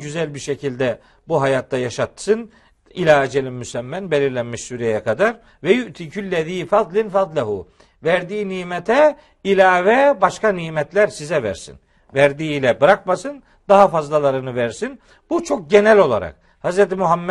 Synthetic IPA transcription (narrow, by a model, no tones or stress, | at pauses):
yzælʲbiɾʃecʰilʲd̪ɛ | buɦajaːt̪̚d̪ajaʃat̪ːsɯn | ilʲaːd͡ʒɛlʲimːysæmːænbelʲiɾlʲænmiʃsuːɾɛjɛkʰad̪aɾ | vɛjuʔt̪ʰiːcʰylːɛðiːfad̪lˠinfat̪lʲaɦu | væɾd̪iːiniːmɛt̪ʰɛ | ilʲaːvɛbaʃkaniːmɛt̪lʲæɾsizɛvæ̰ɾsḭn | væɾd̪iːlʲɛbɯɾakmasɯn | d̪aɦafazlˠalˠaɾɯnɯvæɾsin | but͡ʃʰo̞k̚ɟenælʲo̞lˠa̰ɾa̰k̚ | hazɾɛt̪imuɦamː